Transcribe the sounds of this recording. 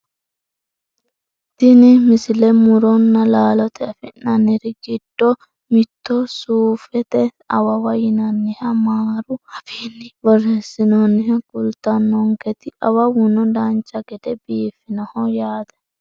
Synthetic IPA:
t̪ɪnɪmɪsɪlɛmʊɾɔnːɐlaːlɔt̪ʰɛɐfɪnɐnɪɾɪɡɪd̪̥ːɔ | mɪt̪ːɔsuːfɛt̪ɛ | ɐwɐwɐjɪnɐnːɪhɐmaːɾʊhɐbinːɪbɔrɛsːɪnonːɪhɐkʼʊlt̪ɐnːɔŋkɛt̪ɪʔɐwɐwʊnɔd̪ant͡ʃːɐɡɛd̪ɛbiːfːɪnɐhɔjaːd̪ɛ̥

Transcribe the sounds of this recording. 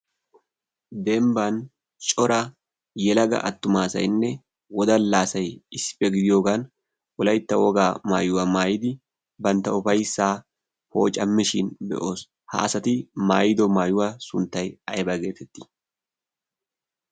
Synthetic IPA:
d̪ɛmban | t͡ʃʼɔɾɐ | jɛlɐɡɐ̰ʔɐ̰t̪ːʊmaːsɐ̰jnːɛ | wɔd̪ɐnlaːsɐjɪspːɛɡɪd̪ɪjoːɡan | wɔlɐjt̪ːɐwɔɡaːma̰ːjʊwɐmaːjɪd̪ɪ | bɐnt̪ɐʊfɐjsːaː | ho̞̰ːt͡ʃʼɐmːɪʃɪnbɛ̰ʔo̞ːs | ha̰ʔɐsɐt̪ɪma̰ːjɪd̪ɔmaːjʊwɐsʊnt̪ːɐjɐjbɐɡe̞ːt̪ɛt̪ːɪ̥

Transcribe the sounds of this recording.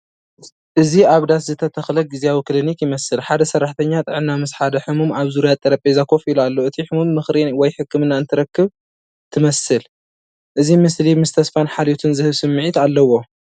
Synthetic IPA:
ʔɨziaβd̪at̪zɨt̪ʰɐt̪ʰɐxlɐɡɨziawiklinikjɪmɐsɨlħad̪ɐsɐrːaħt̪ʰɐɲːat̪ʼɨʕnːamɨsħad̪ɐħɨmumaβzuɾijat̪ʼːɐɾɐpʼezakʰo̞filualːoʔɨt̪ʰiħɨmumːɨxɾiwɔjħɨkːɨmɨnːaɨnt̪ʰɨɾɐkːɨβ | t̪ʰɨmɐsɨl | ʔɨzimɨslimɨst̪ʰɐsfanħalot̪ʰɨnzɨhɨβsɨmːɨʕit̪alːɐwo̞

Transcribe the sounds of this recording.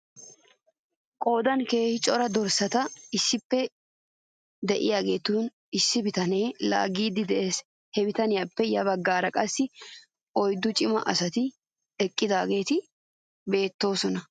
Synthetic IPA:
kʼo̞ːd̪ɐnke̞ːhɪt͡ʃʼɔɾɐd̪ɔɾsɐt̪ɐɪsːɪpːɛ | d̪ɛʔɪ̰jaːɡe̞ːt̪uːn | ɪsːɪbɪt̪ɐne̞ːla̰ːɡiːd̪ɪd̪ɛʔe̞ːs | hɛbɪt̪ɐnɪjaːpːɛjɐβɐɡːaːɾɐkʼɐsːɪ | ɔjd̪ːʊt͡ʃʼɪmɐʔɐsɐt̪ɪ | ɛkʼːɪd̪aːɡe̞ːt̪ɪ | be̞ːt̪ːo̞ːsɔnɐ

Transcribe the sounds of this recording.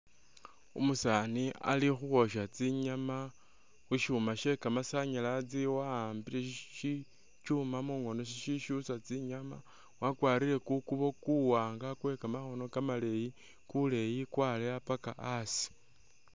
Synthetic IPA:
ṵmusania̰lixuɣo̞ʃat͡siɲama | wuʃumaʃe̞kamasaɲalat͡siwaːmbileʃi | t͡ʃumamuŋo̞no̞ʃiʃiʃusat͡siɲama | wakwaːɾile̞kukuβo̞kuwaːŋɡakwe̞kamaxo̞no̞kamale̞ji | kule̞jikwaleapakaasi̥

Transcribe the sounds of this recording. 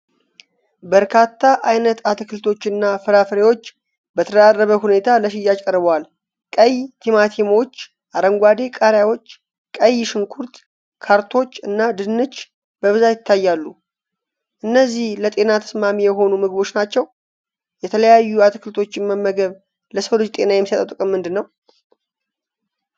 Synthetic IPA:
bəɾkʰat̪ʰːaʔajnət̪at̪kʰɨlt̪ʰo̞t͡ʃːɨnːafɨɾafɾewo̞t͡ʃː | bət̪ʰəd̪arːəβəhune̞t̪ʰaləʃ̬ɪjːakʼəɾɨβwal | kʼəjt̪ʰimat̪ʰemot͡ʃː | ʔaɾəŋɡʷad̪e̞kʼaɾjawo̞t͡ʃː | kʼəjːʃɪŋkʰuɾt̪ | kʰaɾt̪ʰo̞t͡ʃːɨnːad̪ɨnːɨt͡ʃː | b̥əβɨzat̪jɪt̪ʰːajːalːu | ʔɨnːəzːihlət̪ʼe̞nat̪ʰə̥smamijɛɦo̞numɨɡɨβo̞t͡ʃːnat͡ʃːɛw | jɛt̪ʰələjajːuat̪kʰɨlt̪ʰo̞t͡ʃːɪmməmːəɡəβ | ləsəwlɨd͡ʒt̪ʼe̞najɛmːisət̪ʼət̪ʼɨkʼɨmːɨnd̪ɨnːəw

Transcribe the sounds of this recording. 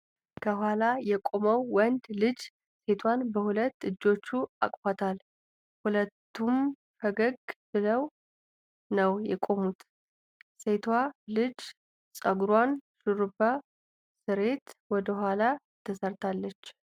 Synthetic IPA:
kʰəhʷwalajɛkʼo̞məwwːɔnd̪lɨd͡ʒ | se̞t̪ʰwanbəhulət̪ːɨd͡ʒːo̞t͡ʃːua̰kʼfat̪ʰal | hulət̪ːum | fəɡəɡbɨləw | nəwjɛkʼo̞mut̪ | se̞t̪ʰwalɨd͡ʒ | sʼəɡɾwanʃɨɾuba | sɨɾe̞t̪wɔd̪əhʷala | t̪ʰəsəɾt̪ʰalːət͡ʃː

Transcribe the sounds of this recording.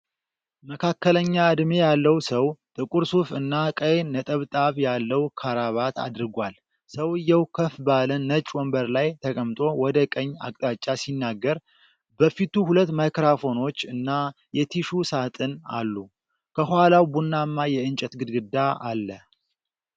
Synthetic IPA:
məkʰakːələɲːaɨd̪mejalːəwsəwt̪ʼɨkʼuɾsufɨnːakʼəjnət̪ʼəβt̪ʼaβjalːəwkʰaɾaβat̪a̰d̪ɾɨɡʷal | səwɨjːɛwkʰəfbalənːət͡ʃʼwɔmbəɾlajt̪ʰəkʼəmt̪ʼo̞wɔd̪əkʼəɲːa̰kʼt̪ʼat͡ʃʼːasinːaɡːəɾ | bəfit̪uhulət̪ːmajkɾafo̞no̞t͡ʃːɨnːa | jɛt̪ʰiʃusat̪ʼɨna̰lːu | kʰəhalawbunːamːajɛɨnt͡ʃʼɛt̪ɡɨd̪ɡɨd̪aa̰lːə

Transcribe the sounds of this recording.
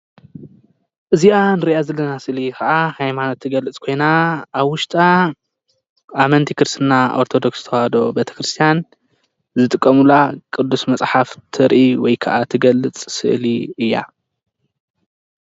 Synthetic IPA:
ʔɨziʔanɨɾiʔazɐlːɐnasɨʔlikɐʔahajmanot̪ʰːɨɡɐlɨt͡sʼkʰo̞jnaʔaβwʊʃt̪ʼa | mɐnt̪ʰikʰɨɾsɨnːaʔo̞ɾt̪ʰo̞d̪o̞ksɨt̪ʰɐhad̪o̞bet̪ʰɐ̥kɾɨst̪ʰijan | zɨt̪ʼɨkʼːɐmulakʼɨd̪ːusmɐt͡sʼħaft̪ʰɨɾʔiwɔjkʰɐʔat̪ʰɨɡɐlːɨt͡sʼsɨ̰ʔliɨjːa̰

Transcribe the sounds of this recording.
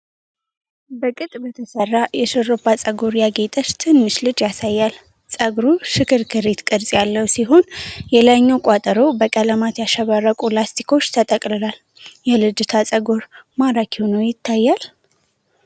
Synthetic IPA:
bəkʼɨt̪ʼbət̪ʰəsərːajɛʃɨɾːəbat͡sʼəɡoɾjaɡe̞t̪ʼət͡ʃt̪ʰɨnːɨʃlɨd͡ʒjasajːal | t͡sʼəɡɾuʃɨkʰɨɾkʰɨɾet̪kʼɨɾsʼjalːəwsiɦo̞njɛlaɲːokʼat̪ʼəɾo̞bəkʼələmat̪jaʃəβarːəkʼulast̪ʰi̥kʰo̞t͡ʃːt̪ʰət̪ʼəkʼlɨlal | jɛlɨd͡ʒɨt̪ʰat͡sʼəɡoɾmaɾakhonəwjɪt̪ʰːajːal

